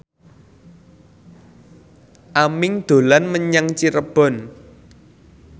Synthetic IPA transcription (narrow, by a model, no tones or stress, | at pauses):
ʔamɪŋd̪̥o̤lanməɲaŋt͡ʃiɾəb̥ɔ̤n